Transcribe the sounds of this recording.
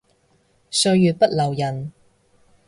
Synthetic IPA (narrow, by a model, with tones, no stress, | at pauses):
sɵ˧ɥjyː˨t̚pɐ˥t̚lɐ˨˩wjɐ˨˩n